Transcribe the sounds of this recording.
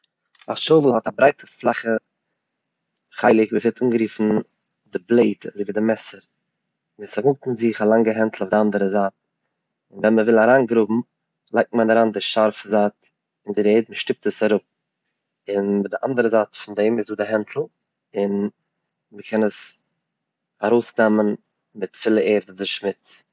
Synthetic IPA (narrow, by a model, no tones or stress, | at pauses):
aʃoʊvəhɔtabɾaɪtʰəflˠaχə | χaɪlˠɪkviːsɛtuːnɡəɾiːfn̩ | dɪblˠeɪtʰazeɪviːdɪmɛsəɾ | viːsaɡʊk̚tmɪnzɪχalˠaŋɡəɦɛntl̩ˠʊfdɪandəɾəzaːt̚ | ɪnvɛnməvɪlˠaɾaːnɡɾʊbm̩ | lˠaɪk̚tmanaɾaːndɪʃaɾfəzaːt | ɪndɪɾeɪːdməʃtɪp̚təsaɾʊp̚ | ɪndɪʔandəɾəzaːtfɪndɛːmɪsduːdɪɦɛntʰl̩ˠ | ɪn | məkʰɛnəs | aɾoʊsdɛmən | mɪtfɪlˠəeːɾdədɪʃmɪt͡s